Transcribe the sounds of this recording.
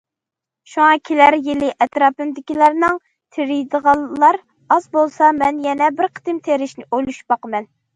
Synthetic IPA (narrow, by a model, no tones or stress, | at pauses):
ʃuŋɑkʲʰelæɾjɪlɪʔɛt̪ɾɑːpɨmd̪ɪkʲilæɾnɨŋ | t̪ʰɪɾijd̪əʁɑlːɑɾ | ɑzbolˠsɑmɛnjɛnɛbɪɾqʰə̥t̪ɪmt̪ʰeɾɪʃnɪʔojlˠuʃb̥ɑqəmɛn